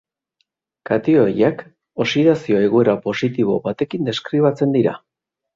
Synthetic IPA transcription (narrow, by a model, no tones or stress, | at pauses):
kat̪ioɾiak | o̞siðasio̞e̞ɣ̞ue̞ɾapo̞sit̪iβo̞̰βat̪e̞kind̪e̞skɾiβat͡se̞nd̪iɾa̰